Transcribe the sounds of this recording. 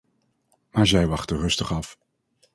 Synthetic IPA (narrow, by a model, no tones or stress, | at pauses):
maːɹzɛjʋɑχtərɵstəχɑf